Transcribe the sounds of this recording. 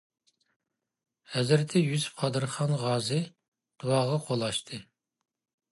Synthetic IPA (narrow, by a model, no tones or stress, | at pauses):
hɛzɾt̪ʰɛjyzqʰɑd̪ɨɾχɑnʁɑːzɨ | d̪̥uwɑʁɑqʰolˠɑʃt̪ʰɨ